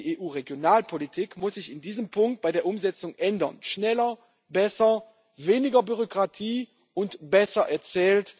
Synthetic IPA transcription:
ʔeːʔuːʁeɡjonaːlpʰolitʰikmʊsz̥ɪçɪndiːzəmpʰʊŋk̚t̚b̥aɪdeːɐʔʊmzɛt͡sʊŋʔɛndɐ̰nʃnɛlɐ | bɛsɐ | veːnɪɡɐbyʁokʁ̥atʰiː | ʊntb̥ɛsɐʔɛɐt͡sɛːlt

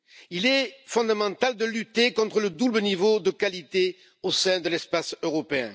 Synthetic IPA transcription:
ilɛfɔ̃d̪amɑ̃t̪ald̪əlyt̪ekɔ̃t̪χələd̪ublənivod̪əkalit̪e | osɛ̃d̪əlɛspasøʁɔpeɛ̰̃

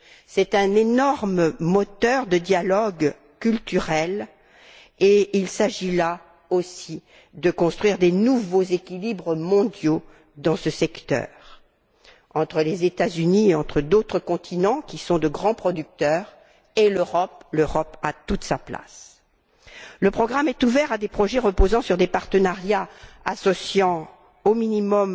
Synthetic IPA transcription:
sɛt̪ɛ̃nenɔʁmmɔt̪œʁd̪əd̪jalɔɡ | kʲylt̪yʁɛl | eilsaʒila | osi | d̪əkɔ̃st̪χɥiʁd̪enuvozekʲilibʁəmɔ̃d̪jo | d̪ɑ̃səsɛkt̪œ̰ʁ | ɑ̃t̪χəlezet̪azynieɑ̃t̪χəd̪ot̪χəkɔ̃t̪ʰinɑ̃kʲisɔ̃d̪əɡʁɑ̃pχɔd̪yk̚t̪œʁ | eløʁɔpløʁɔpat̪ut̪sapla̰s | ləpχɔɡʁamɛt̪uvɛʁad̪epχɔʒɛʁəpozɑ̃syʁd̪epaʁt̪ənaʁjaasɔsjɑ̃ | ominimɔm

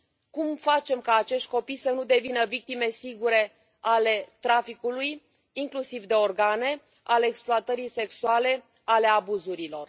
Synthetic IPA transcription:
kumfat͡ʃe̞mkaːt͡ʃe̞ʃt̪̚ʲko̞pijsənud̪e̞vinəvik̚t̪ime̞siɡuɾe̞ | ale̞t̪ɾafikuluj | iŋklusivd̪e̞o̞rɡane̞ | ʔale̞ːkspluat̪əɾijse̞ksuale̞ | ale̞abuzuɾilo̞r

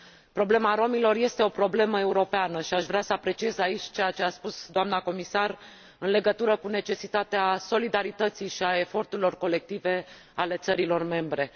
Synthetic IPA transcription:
pɾo̞ble̞maɾo̞milo̞rje̞st̪e̞o̞pɾo̞ble̞məe̞uɾo̞peanəʃiaʃvɾasəapɾe̞t͡ʃije̞zait͡ʃʲt͡ʃe̞jat͡ʃe̞aspusd̪oamnako̞misar | ɨnle̞ɡət̪uɾəkune̞t͡ʃe̞sit̪at̪easo̞lid̪aɾit̪ət̪sijʃiae̞fo̞rt̪uɾilo̞rko̞le̞k̚t̪ive̞ | ale̞t̪səɾilo̞rme̞mbɾe̞

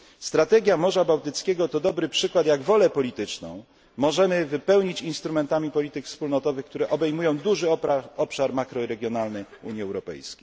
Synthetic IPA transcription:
st̪ɾat̪ɛɡʲjamɔʐabawt̪ɘt̪skʲeɡɔt̪ɔd̪ɔbɾɘpʂɘkwat̪jaɡvɔlɛpɔlʲit̪ɘt͡ʂnɔ̰̃w̃ | mɔʐɛmɘvɘpɛwɲit͡ɕinst̪ɾumɛnt̪amʲipɔlʲit̪ɘkfspulnɔt̪ɔvɘxkt̪uɾɛʔɔbɛjmujɔ̃w̃d̪uʐɘɔpʂaɾmakɾɔiɾɛɡʲjɔnalnɛṵɲiɛwɾɔpɛ̰jskʲej

